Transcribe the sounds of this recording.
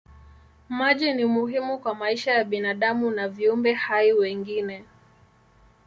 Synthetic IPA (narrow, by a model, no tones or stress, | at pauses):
maʄinimuɦimukwamaiʃajaɓinaɗamunaviumbɛhaiwɛŋɡinɛ